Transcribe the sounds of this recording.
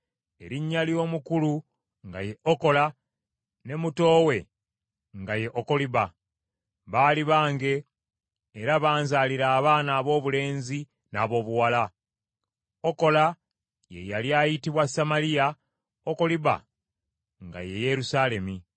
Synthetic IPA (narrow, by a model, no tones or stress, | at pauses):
e̞ɾiɲːaljo̞ːmukulu | ŋɡa̰je̞ʔoko̞la | ne̞muto̞ːwe̞ | ŋɡaje̞ʔoko̞liβa | βaːliβaːŋɡe̞ː | ɾaβaːnzaːliɾaːβaːnaːβo̞ːβule̞ːnzi | na̰ːβo̞ːβuwala | oko̞la | jḛjaljaːjitiβwasamalija | oko̞liβa̰ | ŋɡa̰je̞je̞ɾusaːle̞mi